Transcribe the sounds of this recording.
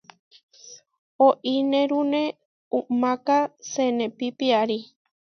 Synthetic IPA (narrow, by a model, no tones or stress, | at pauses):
oʔinẽɾunẽ | umãkasenẽpipiaɾi